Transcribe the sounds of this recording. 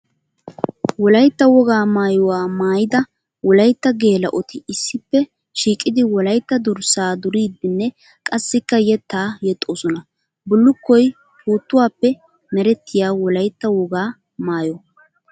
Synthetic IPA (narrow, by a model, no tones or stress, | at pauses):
wɔlɐjt̪ːɐwɔɡaːmaːjɔwaːmaːjɪd̪ɐ | wɔlɐjt̪ːɐɡe̞ːlɐ̰ʔɔt̪ɪɪsːɪpːɛ | ʃiːkʼɪd̪ɪwɔlɐjt̪ːɐd̪ʊɾsaːd̪ʊɾiːd̪ːɪnːɛ | kʼɐsːɪkːɐjɛt̪ːaːjɛt̪ʼːoːsɔnɐ | bʊlːʊkːɔj | puːt̪ːʊwaːpːɛ | mɛɾɛt̪ːɪjaːwɔlɐjt̪ːɐwɔɡaː | maːjɔ